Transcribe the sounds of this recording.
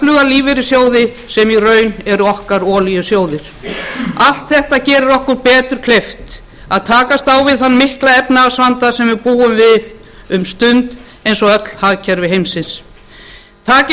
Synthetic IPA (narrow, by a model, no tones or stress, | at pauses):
lʏɣaliːvɪɾɪsjoːwðɪ | sɛmirœːɥnɛɾʏɔhkaɾɔːlijʏsjoːwðɪɾ̥ | al̥t̪θɛht̪acɛːɾɪɾɔhkʏɾpɛːt̪ʏɾ̥kʰlejft̪ | aðt̪ʰaːkast̪awvɪðhanːmɪhklaɛpnaːsvant̪asɛmvɪɾpuːʏmvɪð | ʏmst̪ʏnt̪ | ejnsɔœt̪l̥haðcʰɛɾvɪɦejmsɪns | t̪ʰaːcɪ